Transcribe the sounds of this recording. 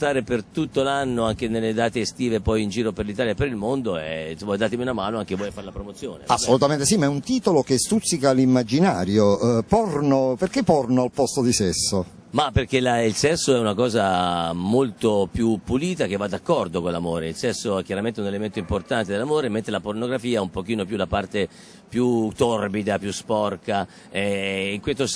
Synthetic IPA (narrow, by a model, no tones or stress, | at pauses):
t̪aːɾepert̪ut̪ːolanːoaŋk̟enelːed̪aːt̪eːst̪iːvepɔjind͡ʒiːɾoperlit̪aːljapeɾilmond̪oɛ̰t͡ʃɔmad̪aːt̪emiunamaːnoaŋkevɔjfaɾelapɾomot̪sːjo̰ːnḛasːolut̪ament̪esimaɛunt̪iːt̪olokest̪ut̪sːikalimːad͡ʒinaːɾjopɔrnoperkepɔrnoalpɔst̪od̪isɛsːo | maperk̟elailsɛsːoɛunakɔːzamolt̪opjupːuliːt̪ak̟evːad̪akːɔrd̪okonlamoːɾeilsɛsːoɛk̟jaɾament̪eɛunelement̪oimport̪ant̪ed̪elːamoːɾemːent̪ɾelapornoɡɾafiːaumpok̟iːnopjulapart̪e | pjut̪orbid̪apjuspɔrka | ɛiŋkwet̪os